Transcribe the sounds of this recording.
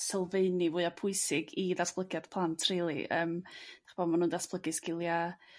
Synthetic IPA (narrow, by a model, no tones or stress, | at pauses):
sɛlˠveɨnivʊːɨapʰʊɨsɪɡiðasb̥lˠəɡjad̥pʰlˠantʰr̥iːlˠḭʔə̰ːmd̥ḁχəb̥oːdmanuːndasb̥lˠəɡɪskɪlˠja